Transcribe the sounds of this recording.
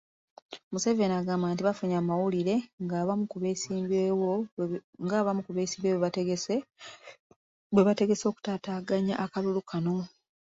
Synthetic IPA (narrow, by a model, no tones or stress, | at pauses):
musevenaɡaːmbaːntiβafuɲaːmawuliɾe̞ŋɡaβamukuβesiːbewoŋɡaːβamukuβesiːmbewe | we̞βate̞ɡe̞so̞ːku̥tataːɡaɲa̰ʔakalulukʰano̞